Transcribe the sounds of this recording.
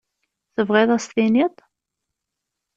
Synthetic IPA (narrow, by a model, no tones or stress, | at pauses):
θəvʁɪðˤæst̪init̪ˤ